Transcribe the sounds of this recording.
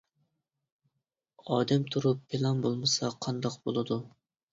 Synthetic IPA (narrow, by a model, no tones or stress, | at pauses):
ɑːd̪ɛmt̪ʰuɾupːʰelˠɑnbolˠmɨsɑqʰɑnd̪ɑqbo̰lˠɨd̪u